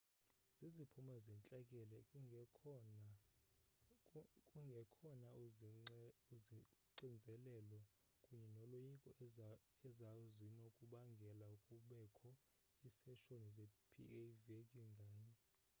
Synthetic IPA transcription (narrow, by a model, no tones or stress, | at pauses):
z̥izipʰumazɛnt͡ɬʼakʼɛlɛ | kʼuŋɡʱɛkʰɔna | uziǀind͡zʱɛlɛlɔ | kʼuɲɛnɔlojikʼɔ | ɛzaɔzinɔkʼuɓaŋɡʱɛlaukʼuɓɛkʰɔ | isɛʃonizepʰḭevekʼiŋɡʱaːɲɛ